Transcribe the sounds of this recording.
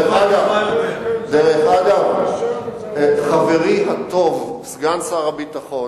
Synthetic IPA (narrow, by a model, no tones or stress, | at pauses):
aɡav | deʁeχaɡav | χaveʁiɦat̪o̞vsɡansaʁabit̪aχo